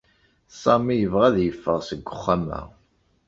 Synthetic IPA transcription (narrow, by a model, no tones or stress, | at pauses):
sˤɑmijəvʁæðjəfːəʁsəɡʷːʊχːamæ̰